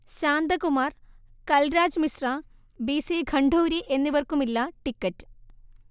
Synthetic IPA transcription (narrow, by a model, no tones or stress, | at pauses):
ɕaːnd̪ɐkumaːrkɐlɾaːd͡ʑmisraː | biːsiɡʱɐɳɖʱoːɾiʔe̞nːiʋɐrkumilːɐʈikːɐtːɨ̥